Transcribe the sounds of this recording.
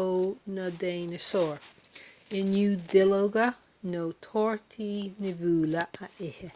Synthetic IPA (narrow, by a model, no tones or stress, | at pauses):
onəd̪eːnəsɔːɹ | ɪnjuːd̪ɪloɡə | noːt̪ʰɔːɹt̪ʰiːnɪvuːləʔəʔɪhə